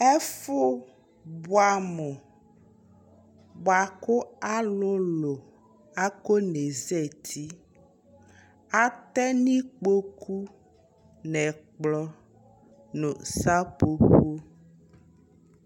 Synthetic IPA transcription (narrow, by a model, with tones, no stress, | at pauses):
ɛ˦fo˦ | bu˦a˨mo˨ | bo˨a˨ko˦a˦lo˦lo˨ | a˦ko˦ne˨zɛ˦˨t̪ʰi˦ | a˦t̪ɛ˦nĩ˦k͡po˦kʰu˦ | nɛ̃˨k͡plɔ˦ | nõ˨sa˦po˦ɸo˦